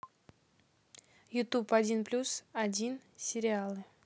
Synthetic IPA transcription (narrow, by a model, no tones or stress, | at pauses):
jʊt̪upadʲinplʲusadʲinsʲɪɾʲɪalˠɨ